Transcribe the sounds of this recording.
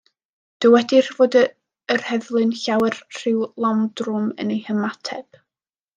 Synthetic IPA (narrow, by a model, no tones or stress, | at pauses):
d̥əwɛdɪrvoːdə | ərhɛðlˠɨnɬawɛrr̥ɪwlˠɔmdrʊmə̰nejhəmatʰɛ̰b̥